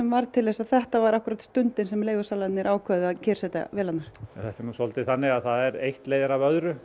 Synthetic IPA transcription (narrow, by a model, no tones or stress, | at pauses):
ɛmvaɾt̪ʰɪlːɛsaðθɛht̪avaɾahkʏɾat̪st̪ʏnt̪ɪnsɛmleːjɣʏsaːlaɪnɪɛɾʔaːwkʰvœðɪacʰɛːɾ̥sɛt̪a̰vɛːlat̪naɾ̥ɛnθɛht̪ɛmusɔlt̪ɪθanːɪɣaðθaðɛɾejht̪lejðɪɾavœðɾʏ